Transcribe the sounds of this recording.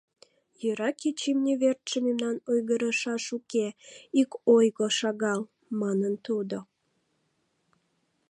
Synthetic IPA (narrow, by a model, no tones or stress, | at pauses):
jøɾɑkit͡ɕimnʲeβert̪ʃəmemnɑnojɣəɾəʃɑʃukeikojɣoʃɑɣɑl | mɑnənt̪ud̪o